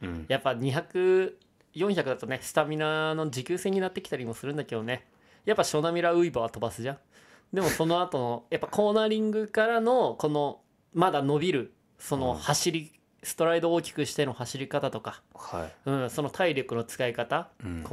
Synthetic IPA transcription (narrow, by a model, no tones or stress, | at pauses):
japːaɲ̟içakɯ̟ | jõɰ̃çakɯ̟d̪at̪o̞ne̞sɨ̥t̪amʲinano̞d͡ʑikʲɨːse̞ɲ̟ːinat̪ːe̞kʲi̥t̪aɾʲimo̞sɨɾɯ̟̃nd̪ake̞d̪o̞ne̞ | japːaɕo̞namʲiɾaɯ̟ibaβat̪o̞basɨʑã | d̪e̞mo̞so̞no̞at̪o̞no̞japːako̞ːnaːɾʲĩŋɡɯ̟kaɾano̞ko̞no̞ | mad̪ano̞bʲiɾɯ̟ | so̞no̞haɕiɾʲi | sɨ̥t̪o̞ɾaid̪o̞ːkʲi̥kɯ̟ɕi̥t̪e̞no̞haɕiɾʲikat̪at̪o̞kahɯ̟̃ɴso̞no̞t̪ʰaiɾʲo̞kɯ̟no̞t͡sɨ̥kaikat̪ak